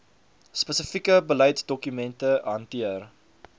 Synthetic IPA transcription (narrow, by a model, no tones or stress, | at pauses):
spəsəfikəbəlɐjtdɔkymɛntəɦɐntiər